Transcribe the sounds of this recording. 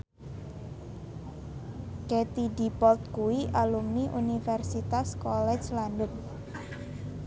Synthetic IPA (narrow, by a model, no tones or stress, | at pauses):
ket̪idi̤pɔlt̪̚kuwiʔalumniʔunifɛrsit̪askɔlɛ̥t͡ʃland̪ʊn